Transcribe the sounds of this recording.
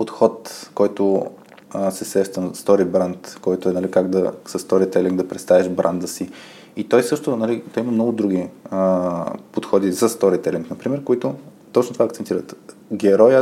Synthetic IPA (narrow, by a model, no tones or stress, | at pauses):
pot̪xɔt̪kɔjt̪ʊ | sɛsɛʃt̪ənst̪ɔɾibɾant̪kɔjt̪ʊɛnɐlikaɡd̪ɐsɐst̪ɔɾit̪ɛliŋɡd̪ɐpɾɛt̪st̪avɛʃbɾʔa̰nd̪əsi | it̪ɔjsɤʃt̪onɐlit̪ɔjimɐmnɔɡʊd̪ɾuɡ̟iəpot̪xɔd̪izɐst̪ɔɾit̪ɛliŋknɐpɾimɛɾkoit̪ʊt̪ɔt͡ʃnt̪ovaɐkt̪sɛnt̪iɾət̪ | ɡɛɾɔjə